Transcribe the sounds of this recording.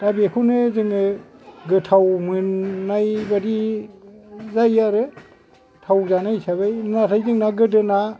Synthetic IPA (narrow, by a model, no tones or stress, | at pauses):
tabekʰunɯzɯŋɯɡɯtʰawmɯnːajbadi | zajaɾɯ | tʰawzanajsʰaβajnatʰajzɯŋnaɡɯdɯna